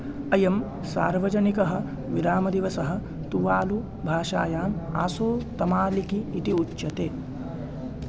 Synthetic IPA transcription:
ɐjɐm | sa̰ːɾʋɐd͡ʒɐnikɐɦɐ̆ | ʋiɾaːmɐd̪iʋɐsɐɦɐ̆ | t̪uʋaːlu | bʱaːʃaːjaːma̰ːsoːt̪ɐmaːlikiːt̪iut͡ʃːʃɐt̪eː

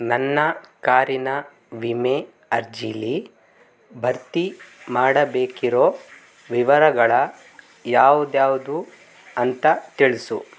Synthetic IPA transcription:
nɐnːɐkaːɾinɐ | ʋime | ɐɾd͡ʒili | bʱɐɾt̪imaːɽɐbeːkiɾo̞ː | ʋiʋɐɾɐɡɐɭɐ | jaːʋud̪jaːʋud̪u | ɐnt̪ɐt̪iɭisṵ

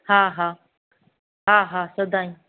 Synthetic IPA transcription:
hãːɦaː | ɦaːɦaːsɐd̪aːĩ

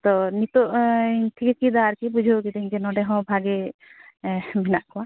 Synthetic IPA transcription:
t̪ɔnit̪oʈʰikit͡ʃid̪aɾkibud͡ʒʱokit̪ɛɦĩkɛnɔɖɛɦɔ̃bʱaɡe | binaʔkʰɔwa

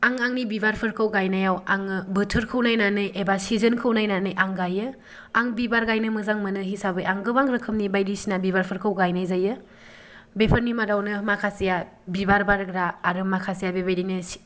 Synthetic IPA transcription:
aŋaŋnibibaɾpʰɯɾkʰɯwɡajnajawaŋɯbɯtʰɯɾkʰɯwnajnanɯjʔebasizənkʰɯwnajnanɯjʔaŋɡajɯ | aŋbibaɾɡajnɯmɯzaŋmɐnɯɦisabɯjaŋɡɯbaŋɾɯkʰɯmnibajdisinabiβaɾpʰɯɾkʰɯwɡajnajzajɯ | bepʰəɾnimadawnɯmakʰasija | bibaɾbaɾɡɾaːɾɯmakʰasijabebajdinɯs

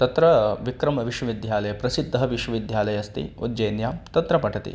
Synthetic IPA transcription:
t̪ɐt̪ɾɐʋikɾɐmɐʋiʃwɐʋid̪ʱjaːlɐjɐpɾɐsid̪ʱːɐɦɐʋiʃwɐʋid̪ʱjaːlɐjɐst̪ḭṵd̪d͡ʒɐjnjaːmt̪ɐt̪ɾɐpɐʈʰɐt̪ḭ

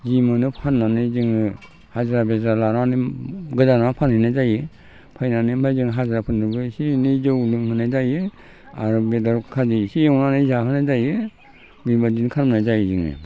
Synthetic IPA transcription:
zimɯnɯpʰanːanɯzɯŋ | hazɾabezalaɾaniɡɯzaɾapʰanhɯnajzajɯ | pʰajnanɯmajzɯŋɦazɾapʰɯnɯbɯsinizɯwlɯŋhɯnajzajɯ | a̰ɾbedaɾkʰazisijawnanɯzaɦɯnajzajɯ | bibadinkʰaɾmnajzajzɯŋɯ̰

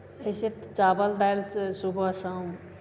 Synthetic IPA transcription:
əiset̪t͡ʃabəld̪ajlsubʱəsəm

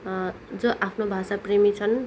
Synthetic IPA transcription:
d͡zoʔapʰnobʱasapremit͡sʰʌn

